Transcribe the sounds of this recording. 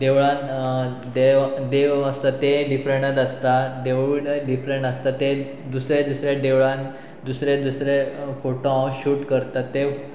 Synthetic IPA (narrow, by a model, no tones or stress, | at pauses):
d̪eʋɭãn | d̪ed̪eʋəst̪at̪eɖifɾeɳʈət̪əst̪aɖeiɽɖifɾẽɳʈəst̪at̪e | d̪usɾed̪usɾeɖeʋɭãn | d̪usɾẽd̪usɾefoʈoãɕuːʈkəɾt̪at̪ːe